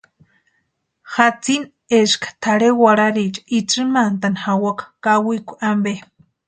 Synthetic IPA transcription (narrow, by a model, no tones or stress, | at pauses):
xat͡sin | eskḁt̪ʰaɾewaɾaɾit͡ʃʼḁit͡ʃɨmant̪anhawakakawikʷʔambe